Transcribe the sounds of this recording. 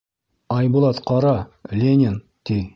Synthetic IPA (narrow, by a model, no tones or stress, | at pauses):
ɑjbulˠɑt̪qɑɾɑlʲenʲen | t̪ij